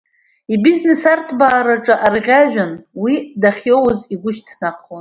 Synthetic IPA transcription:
ibizne̞sartʰbaːɾaʈ͡ʂʼaʔarʁʲaʒᶣanwidaχʲjowziɡʷʊʃtʰnaχon

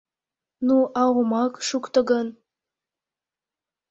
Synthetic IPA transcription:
nuʔɑwomɑkʃukt̪ə̆ɣən

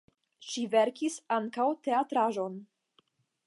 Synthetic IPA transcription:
ʃiveɾkisaŋkawte̞atɾaʒo̞n

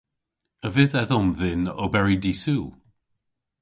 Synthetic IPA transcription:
əvɪðɛðɔmðɪnɔ̰bɛɹidisuːlˠ

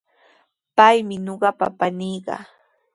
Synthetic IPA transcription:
pajmɪnoɢɑpa̰panɪjɢɑ̰

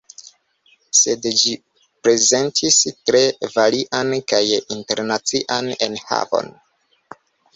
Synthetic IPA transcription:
se̞dd͡ʒi | pɾe̞ze̞ntʰistɾe̞valiʔankajinte̞ɾnat͡siʔane̞̰nha̰vo̰n

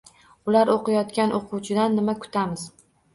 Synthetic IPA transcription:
ʊlaɾoqʰɨjɒt̪kʲanʔoqʰʊwt͡ʃʰɪd̪anːɪmakʰʊ̥t̪ʰamɪz

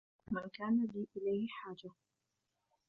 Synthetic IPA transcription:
mankaːnaliʔɪlajhɪħaːd͡ʒa

